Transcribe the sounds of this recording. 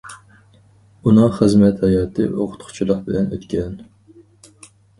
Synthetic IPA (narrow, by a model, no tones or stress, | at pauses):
unɨŋχɨzmɛt̪hɑjɑːt̪ʰɨ̰ʔoqʰʊ̥t̪χʰʊ̥t͡ʃʰilˠəqbɪlɛnø̰t̪kʲʰɛn